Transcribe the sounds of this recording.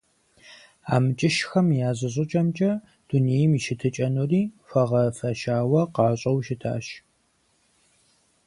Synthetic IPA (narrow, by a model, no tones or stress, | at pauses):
aːmɨt͡ʃʼɪʃxɐmjaːzɨɕ̬ʼɪt͡ʃʼɐmt͡ʃʼɐ | d̥unejɪmiʃɪtʰɨt͡ʃʼɐnuriːfɐʁɐfɐʃaːwɐqɑːɕʼɐwʃɪtʰa̰ːʃ